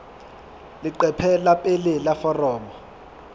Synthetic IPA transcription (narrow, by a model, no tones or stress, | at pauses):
liǃɛpʰɛlapʼelɛlafɔrɔːmɔ